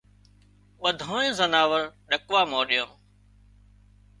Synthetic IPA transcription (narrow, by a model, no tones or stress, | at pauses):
ɓəd̪ʱõːẽːzənaːʋəɾɗəkʋaːmoːɗijõːm